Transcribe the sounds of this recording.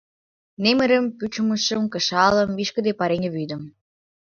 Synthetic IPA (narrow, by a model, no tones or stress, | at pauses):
nemɘ̆ɾə̆mpyt͡ɕŭmə̆ʃə̆mkə̆ʃɑlə̆miʃkə̆d̪epɑɾeŋĕβyd̪ə̆m